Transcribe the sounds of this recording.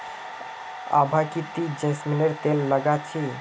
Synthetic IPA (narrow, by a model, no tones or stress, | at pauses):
a̰bʱakit̪id͡ʒẽsmineɾt̪elːəɡat͡ʃʰi